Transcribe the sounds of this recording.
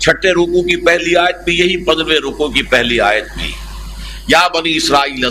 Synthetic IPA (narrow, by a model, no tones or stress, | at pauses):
t͡ʃʰɐʈːeɾoːkõkipɛɦliaːjət̪̚bʱijɐɦipɐ̃nd̪ɾʋẽɾoːkõkipɛɦlia̰ːjət̪̚bʱḭː | jaːbɐniɪsɾaːiːlɐ